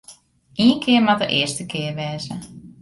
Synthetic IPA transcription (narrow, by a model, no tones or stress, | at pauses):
ʔiːənkʰɪəmatəʔɪːərstəkʰɪərʋɛːzə